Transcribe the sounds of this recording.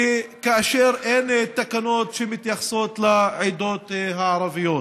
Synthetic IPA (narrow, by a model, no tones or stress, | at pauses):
kaʔaʃɛɾʔent̪ːakanoːt̪ʃemit̪jaxsoːt̪laʕid̪oːt̪ɦaʕɑɾˤɑvɪjot̪